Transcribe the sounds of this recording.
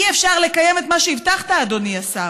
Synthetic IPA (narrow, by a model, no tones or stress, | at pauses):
iefʃaʁle̞kaje̞me̞t̪maʃeivtaχtaːd̪o̞niasa